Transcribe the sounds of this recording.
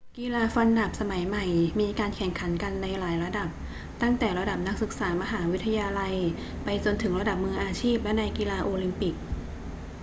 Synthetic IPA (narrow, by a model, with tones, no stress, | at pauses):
kiː˧laː˧fa˧nda˨˩p̚sa˧ma˩˦jma˨˩jmiː˧kaː˧nkʰɛ˨˩˦ŋkʰa˩˦nka˧nːa˧jlaː˩˦jɾa˧da˨˩p̚ | t̪a˥˩ŋt̪ɛː˨˩ɾa˧da˨˩p̚na˦˥k̚sɯ˨˩k̚saː˩˦ma˧ɦaː˩˦wi˦˥t̪ʰːa˧jaː˧la˧j | pa˧jt͡ɕo˧nt̪ʰɯ˩˦ŋɾa˧da˨˩p̚mɯ˧əŋʔaː˧t͡ɕʰiː˥˩p̚lɛ˦˥na˧jkiː˧laː˧ʔoː˧li˧mpi˨˩k̚